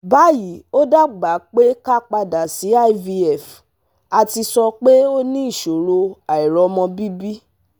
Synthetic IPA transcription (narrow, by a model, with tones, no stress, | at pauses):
ba˨˦ji˨o˦da˦ɡ͡ba˨˦k͡pe˦ka˦k͡pa˧da˨si˨˦a˦i˦vi˧ɛ˨f | a˧ti˧sɔ˧k͡pe˦o˦nĩ˦i˦˨ʃo˨ɾo˧a˨i˨ɾɔ˨˧mɔ̃˧bi˦bi˦